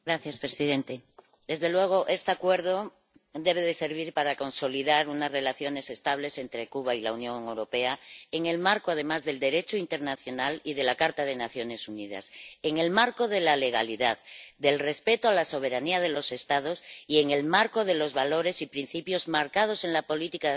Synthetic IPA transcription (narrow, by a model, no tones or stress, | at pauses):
ɡɾaθjaspɾesiðe̞nt̪e̞ | d̪e̞zðe̞lwe̞ɣ̞o̞ʔe̞st̪eakwe̞ɾðo | d̪e̞β̞e̞ðe̞se̞ɾβ̞iɾpaɾako̞nso̞liðaɾunazre̞laθjo̞ne̞se̞st̪aβ̞le̞se̞nt̪ɾe̞kuβ̞ailaunjo̞ŋe̞wɾo̞pe̞aeŋe̞lmaɾkoað̞e̞mazðe̞ld̪e̞ɾe̞t͡ʃoint̪e̞ɾnaθjo̞nalið̞e̞lakaɾt̪að̞e̞naθjo̞ne̞sunið̞a̰seŋe̞lmaɾko̞ð̞e̞lale̞ɣ̞a̰liðaðd̪e̞lre̞spe̞t̪oalaso̞β̞e̞ɾaniað̞e̞lo̞se̞st̪að̞o̞sie̞ŋe̞lmaɾko̞ðe̞lo̞zβalo̞ɾe̞sipɾin̟θipjo̞zmaɾkað̞o̞se̞ŋlapo̞lit̪ika